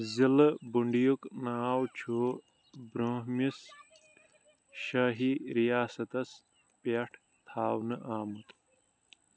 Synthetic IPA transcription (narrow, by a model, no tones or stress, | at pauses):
zilbuɳɖijuknaːwt͡ɕʰu | bɾoːɦmis | ʃaːɦiɾijaːsɐt̪ɐs | peʈʰ | t̪ʰaːwnɨʔaːmut̪